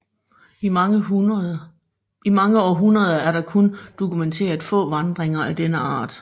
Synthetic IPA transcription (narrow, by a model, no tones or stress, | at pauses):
i | imɑ̈ŋəɒːɦunʁɐð̞ˠɐæɐɾɑ̈kʰond̥o̝kʰument͡sʰe̝̰ːɐð̩ˠfɔ̰̽ːʋɑ̈nd̥ʁeŋɐʔæd̥enəɑ̰̈ːd̥